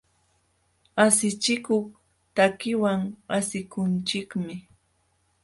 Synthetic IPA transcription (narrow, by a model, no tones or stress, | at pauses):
asɪt͡ʃɪkʊχ | t̪akɪwaŋasɪkʊnt͡ʃɪkmɪ